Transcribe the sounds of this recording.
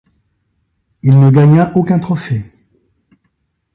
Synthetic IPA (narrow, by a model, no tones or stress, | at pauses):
ilnəɡaɲaʔokʲɛ̃t̪χɔfe